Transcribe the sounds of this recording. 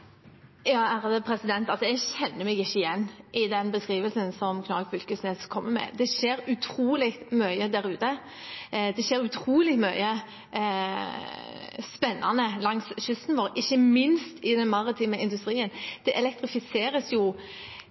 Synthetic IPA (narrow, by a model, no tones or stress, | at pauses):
jɑːæʁd̪ɛpʰɾɛsɪd̪ɛnt̪ɑlsɔɛɡɕɛnːəɾmɛɡɪçːəɪjɛnːʔɪd̪ɛnbəskɾiːʋəlsənsɔmkʰnɑkfʏlkəsneːskʰɔmːəmɛ̰d̪ɛʂeːɾʉt̪ʰɾuːlɪkt̪mœʏəd̪æɾʉːt̪ə | d̪ɛʃeːɾʉt̪ʰɾuːlɪmœʏə | spɛnːɑ̰nəlɑŋsʃʏst̪n̩ʋoːɾɪçːəmɪnst̪ʰɪd̪ɛnmɑɾɪt̪ʰiːməɪnd̪ʉst̪ɾiːənd̪̥ɛʔɛlɛk̚t̪ɾɪfɪseːɾəsjʊ